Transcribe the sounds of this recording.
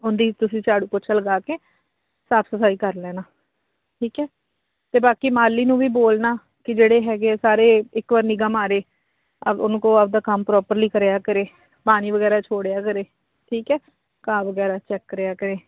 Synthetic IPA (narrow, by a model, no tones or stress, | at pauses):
ʊnd̪iːt̪ʊsĩːt͡ʃaːɽuːpʊt͡ʃʰələɡaːkeː | saːpsəpʰaːiːkəɾlɛːnaː | ʈʰiːkɛː | t̪eːbaːkiːmaːlːiːnũːʋiːboːlnaː | kɪd͡ʒeːɽeːɦɛːɡesaːɾeːɪkʋaːɾniɡəmaːɾeː | əʊnkõːəb̚d̪aːkəmpɾɔːpəɾliːkəɾeːaːkəɾeː | paːniːʋəɡɛːɾaːt͡ʃʰoːɽejaːkəɾeː | ʈʰiːkɛː | kaːʋəɡɛːɾaːt͡ʃɛːkːəɾejaːkəɾeː